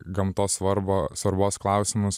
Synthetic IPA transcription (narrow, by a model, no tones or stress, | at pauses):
ɡɐmt̪oːsʋɐɾboːsʋɐɾboːsklˠɑʊsʲɪmʊs